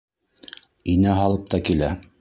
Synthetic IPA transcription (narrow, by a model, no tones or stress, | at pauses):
inæɦɑlˠɤp̚t̪ɑkilæ